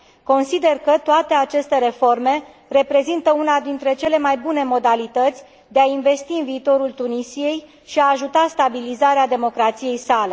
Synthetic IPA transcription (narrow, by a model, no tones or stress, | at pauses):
ko̞nsid̪e̞rkət̪oat̪e̞at͡ʃe̞st̪e̞ɾe̞fo̞rme̞ | re̞pɾe̞zint̪əunad̪int̪ɾe̞t͡ʃe̞le̞majbune̞mo̞d̪alit̪ət̪sʲ | d̪e̞ainve̞st̪iɨnviːt̪o̞ɾult̪unisije̞j | ʃiaːʒut̪ast̪abilizaɾead̪e̞mo̞kɾat̪sije̞jsale̞